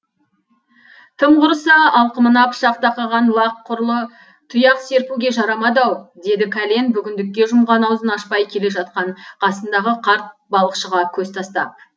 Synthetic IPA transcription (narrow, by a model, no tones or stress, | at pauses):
t̪ʰəmʁʊɾəsɑɑlˠqəmənɑpʃɑqt̪ɑqɑʁɑnlˠɑqʰːʊɾlˠə | t̪ʰʊjɑqse̞ɾpuɡʲe̞ʒɑɾɑmɑd̪ɑwd̪e̞d̪ɪkʰale̞nbʏɡʲɪnd̪ɪk̚ʲːe̞ʒʊmʁɑnɑwzənɑʃpɑjkʲʰe̞le̞ʒɑt̪̚qɑɴqʰɑsənd̪ɑʁəqʰɑɾt̪̚bɑlˠəqʃəʁɑkʲʰɵzt̪ʰɑst̪ɑp̚